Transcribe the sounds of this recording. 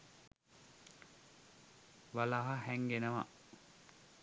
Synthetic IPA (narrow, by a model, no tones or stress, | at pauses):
ʋalaɦahæŋɡenəʋa̰